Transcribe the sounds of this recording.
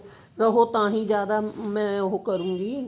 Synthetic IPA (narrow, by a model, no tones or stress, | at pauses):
ɾɐɦot̪ɐãːɦĩːzjaːd̪amɛ̃ːʊɦokɐɾũːɡiː